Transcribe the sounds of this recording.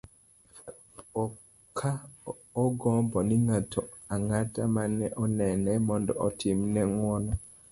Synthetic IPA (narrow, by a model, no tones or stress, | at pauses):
ɔ | kʰa | ɔɡɔmbɔniŋatʰɔ | aŋatamanɛʔɔnɛnɛmɔndɔ̰ʔɔtʰimnɛŋwɔnɔ